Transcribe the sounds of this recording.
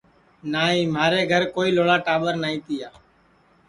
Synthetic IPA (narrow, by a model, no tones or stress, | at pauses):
naːĩːmaːɾeːɡʱəɾkoːiːloːɭaːʈaːɓəɾnaːĩːt̪iːjaː